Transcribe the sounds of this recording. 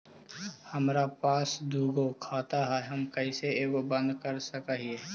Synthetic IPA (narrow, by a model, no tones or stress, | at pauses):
həmɾapaːsd̪ʱuːɡokʰaːt̪aɦɛɦəmkəiseeːɡobə̃nd̪kəɾsəkəɦie